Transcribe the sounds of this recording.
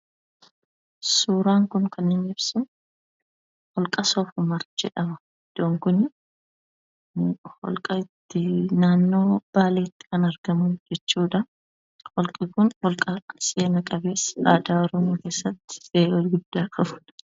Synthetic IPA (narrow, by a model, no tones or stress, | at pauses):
suːɾaːŋkʊŋkʰɐnɪnɪbsʊn | hɔlkʼɐsoːfʊmɐɾd͡ʒɛ̰ᶑɐmɐ | ɪd̪̥ːoːŋkʊnɪ | hɔ̰lkʼɐɪt̪ːɪnaːnːo̞ːb̥aːleːt̪ːɪ̥kɐnɐɾɡɐmʊnd͡ʒɛt͡ʃːuːᶑɐ | hɔlkʼɪkʊnhɔlkʼɐse̞ːnɐkʼɐbe̞ːsa̰ːd̪aːɔɾɔmoːke̞ːsːɐt̪ːɪ̥beːolɡʊd̪ːaːkʼɐbʊ̥ᶑ